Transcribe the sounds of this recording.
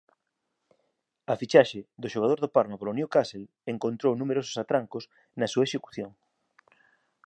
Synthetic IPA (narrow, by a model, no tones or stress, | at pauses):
ɐfit͡ʃaʃed̪ʊʃoɣað̞oɾðopaɾmapolonjokasel | eŋkõnt̪ɾownumeɾosʊ̥sat̪ɾaŋkʊs | nɐsuɐeʃeku̥θjoŋ